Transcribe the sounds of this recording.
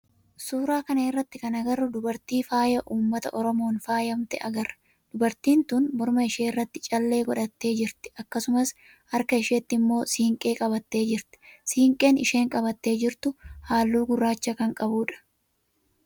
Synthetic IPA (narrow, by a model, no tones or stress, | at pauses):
suːɾaːkɐneːrːɐt̪ːɪkɐnɐɡɐrːʊd̪ʊbɐɾt̪iːfaːjɐʔuːmːɐt̪ɐʔɔɾɔmo̞ːnfaːjɐmt̪ɛʔɐɡɐrːɐ̥ | d̪̥ʊbɐɾt̪iːnt̪uːnbɔɾmɐɪʃe̞ːrːɐt̪ːɪt͡ʃʼɐlːe̞ːɡɔᶑɐt̪ːe̞ːd͡ʒɪɾt̪ɪ̥ɐkːɐsʊmɐs | ɐɾkɐɪʃeːt̪ːɪmːo̞ːsiːŋkʼe̞ːkʼɐbɐt̪ːe̞ːd͡ʒɪɾt̪ɛ̥siːŋkʼe̞ːnɪʃeːŋkʼɐbɐt̪ːe̞ːd͡ʒɪɾt̪ʊhaːlːuːɡʊrːaːt͡ʃːɐkɐŋkʼɐbuːᶑɐ̥